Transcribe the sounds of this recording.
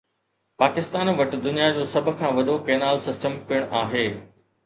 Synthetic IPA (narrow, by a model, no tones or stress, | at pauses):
paːkɪst̪aːnʋɐʈ̆d̪ʊnijad͡ʑoːsɐbʱkʰãːʋɐɗokeːnaːlsɪsʈəmpɪəɽ̃ʔaːɦeː